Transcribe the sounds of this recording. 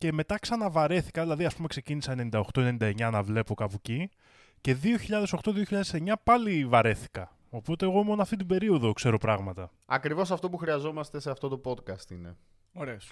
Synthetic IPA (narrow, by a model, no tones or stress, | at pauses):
ce̞me̞t̪ɐksɐnɐvɐɾe̞θi̥kɐðilɐðiɐspumekse̞cinisɐenenind̪ɐoxt̪o̞enenind̪ɐe̞ɲɐnɐvle̞po̞kɐpuci | ce̞ðio̞çiʎɐðe̞so̞xt̪o̞ðio̞çiʎɐðese̞ɲɐpɐlivɐɾe̞θi̥kɐ | o̞po̞t̪e̞ːɣo̞mo̞noɐft̪it̪̬ibe̞ɾio̞ðo̞kse̞ɾo̞pɾɐɣmɐt̪ɐ | ɐkɾivo̞sɐft̪o̞puxɾiɐzo̞mɐst̪e̞seɐft̪o̞t̪o̞po̞d̪kɐst̪ine̞ | oɾes